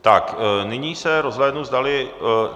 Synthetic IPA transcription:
t̪aknɪɲiːsɛɾozɦlɛːdnuzdalɪ

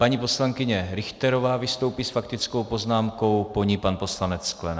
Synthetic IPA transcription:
paɲipo̞slaŋkɪɲɛɾɪxt̪ɛɾo̞vaːvɪst̪owpiːsfakt̪ɪt͡sko̞wpo̞znaːmko̞wpo̞ɲipanpo̞slanɛt͡ssklɛna

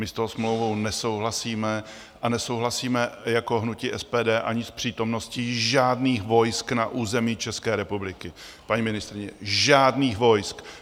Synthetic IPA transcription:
mɪst̪oɦosmlowvo̞wnɛso̞wɦlasiːmɛ | ʔanɛso̞wɦlasiːmɛjako̞ɦnuciʔɛspɛːdɛːʔaɲɪspr̝̥iːt̪o̞mno̞sciʒaːdniːxvo̞jsknaʔuːzɛmiːt͡ʃɛskɛːɾɛpublɪkɪ | paɲiːmɪnɪst̪ɾɪɲɛʒaːdniːxvo̞jsk

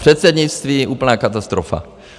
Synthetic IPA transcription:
r̥ɛt̪sɛdɲɪt͡st̪viːʔuːpl̩naːkat̪ast̪ɾofa̰

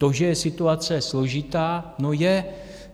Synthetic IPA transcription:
t̪o̞ʒɛjɛsɪt̪uat͡sɛslo̞ʒɪt̪aːnojɛ

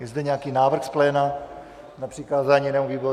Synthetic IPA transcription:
jɛzd̪ɛɲɛakiːnaːvr̩xsplɛːna | napr̥iːkaːzaːɲinɛːmoviːbo

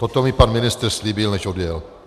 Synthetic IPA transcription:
t̪ot̪omɪpanmɪnɪst̪rsliːbɪlnɛʃodjɛl

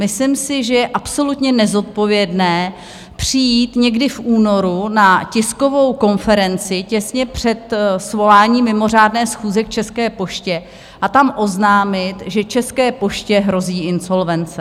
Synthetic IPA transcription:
mɪslɪmsɪʒɛjɛʔapso̞lut̪ɲɛnɛzo̞t̪̚po̞vjɛdnɛː | pr̥ɪjiːt̪ɲɛɡdɪfʔuːno̞ɾunacɪsko̞vo̞wko̞nfɛɾɛnt͡sɪcɛsɲɛpr̥ɛt̪svo̞laːɲiːmːɪmo̞r̝aːdnɛːsxuːzɛkt͡ʃɛskɛːpo̞ʃcɛ | ʔat̪amʔo̞znaːmɪt̪ʒɛt͡ʃɛskɛːpo̞ʃcɛɦɾo̞ziːʔɪnso̞lvɛnt͡sɛ

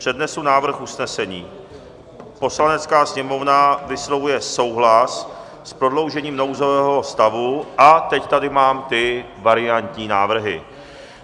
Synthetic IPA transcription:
pr̝̥ɛdnɛsunaːvr̩xusnɛsɛɲiː | po̞slanɛt͡skaːsɲɛmo̞vnavɪslo̞vujɛso̞wɦlas | spɾo̞dlo̞wʒɛɲiːmno̞wzo̞vɛːɦo̞st̪avuʔat̪ɛct̪adɪmaːmt̪ɪ | vaɾɪant̪ɲiːnaːvr̩ɦɪ̰

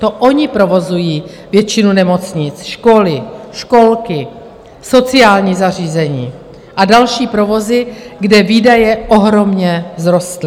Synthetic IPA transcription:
t̪o̞ʔoɲɪpɾo̞vo̞zujiː | vjɛt͡ʃɪnunɛmo̞t͡sɲɪt͡sʃko̞lɪʃko̞lkɪ | so̞t͡sɪaːlɲiːzar̝iːzɛɲiː | ʔadalʃiːpɾo̞vo̞zɪɡdɛviːdajɛʔo̞ɦɾo̞mɲɛzɾo̞st̪lɪ

